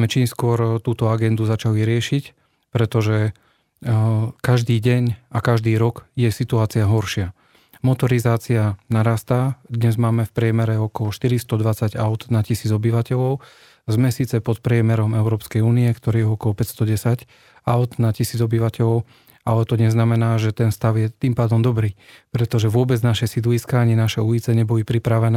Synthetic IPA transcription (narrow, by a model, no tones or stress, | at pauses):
mɛt͡ʃiːmskʊɔɾt̪uːt̪ɔaɡɛnd̪uzat͡ʃaliɾɪɛʃic | pɾɛt̪ɔʒɛ | kaʒd̪iːɟɛɲakaʒd̪iːɾɔkjɛsit̪uaːt͡siaɦɔɾʃɪa | mɔt̪ɔɾizaːt͡sianaɾaːst̪ad̪ɲɛzmaːmɛfpɾɪɛmɛɾɛɔkɔlɔʃt̪iɾist̪ɔd̪ʋat͡saɟaʊd̪nacisiːd͡zɔbiʋacɛʎɔʊ | zmɛsiːt͡sɛpɔt̪pɾɪɛmɛɾɔmɛʊɾɔːpskɛjuːniɛkt̪ɔɾiːjɛɔkɔlɔpɛcst̪ɔɟɛsac | aʊd̪nacisiːd͡zɔbiʋacɛʎɔʊ | alɛt̪ɔɲɛznamɛnaːʒɛt̪ɛnst̪aʊjɛt̪iːmpaːd̪ɔmd̪ɔbɾiːpɾɛt̪ɔʒɛʋʊɔbɛd͡znaʃɛsid̪liskaaɲinaʃɛujit͡sɛɲɛbɔlipɾipɾaʋɛnɛː